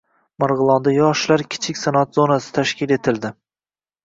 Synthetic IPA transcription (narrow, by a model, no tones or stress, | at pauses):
maɾʁɨlˠɒnd̪ajɒʃlaɾkʲʰɪ̥t͡ʃʰɪkʲsanat̪zonasɪ̥t̪ʰaʃkʲɪle̞t̪ʰɪld̪ɪ